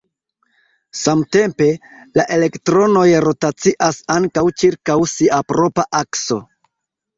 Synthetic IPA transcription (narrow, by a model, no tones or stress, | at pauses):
samte̞mpe̞laʔe̞le̞ktɾo̞no̞jɾo̞tat͡siʔasaŋkawt͡ʃiɾkawsiʔapɾo̞paʔakso̞̰